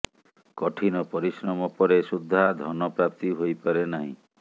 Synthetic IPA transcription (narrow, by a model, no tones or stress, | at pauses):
kɔʈʰinɔpɔɾisɾɔmɔpɔɾesud̪ʱːad̪ʱɔnɔpɾap̚t̪iɦojpaɾenaɦḭ̃